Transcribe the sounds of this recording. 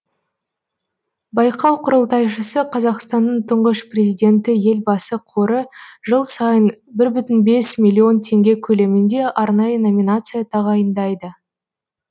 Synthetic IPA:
bɑjqʰɑwqʰʊɾəlˠt̪ɑjʃəsəqʰɑzɑqst̪ɑnːəɴt̪ʰʊɴʁəʃprʲe̞zʲijd̪ʲe̞nt̪ɪje̞lbɑsəqʰoɾəʒəlˠsɑjənbɪɾbʏt̪ɪnbe̞smʲilʲːio̞nt̪ʰe̞ŋɡʲe̞kʲʰɵle̞mɪnd̪e̞ʔɑɾnɑjəno̞mʲinat̪sɨjat̪ʰɑʁɑjənd̪ɑjd̪ə

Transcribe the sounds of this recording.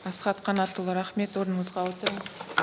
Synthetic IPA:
ɑsqɑt̪qʰɑnɑt̪əlˠɾɑχme̞t̪wo̞ɾənəɴəzʁɑwot̪əɾəɴəz

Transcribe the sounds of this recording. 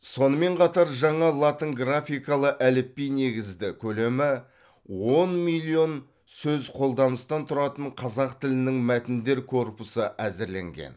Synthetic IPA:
so̞nəme̞ɴqʰɑt̪ɑɾʒɑɴɑlˠat̪əŋɡrafʲijkɑlˠəʔælɪpːijne̞ɡʲɪzd̪ɪkʲʰɵle̞mɪ | wonmilʲˠio̞n | sɵzqʰo̞lˠd̪ɑnəst̪ɑnt̪ʰʊɾɑt̪əɴqʰɑzɑqt̪ʰɪlɪnɪŋmæt̪ɪnd̪e̞ɾkʰo̞rpʊsəʔæzɪɾle̞̰ŋɡʲḛn

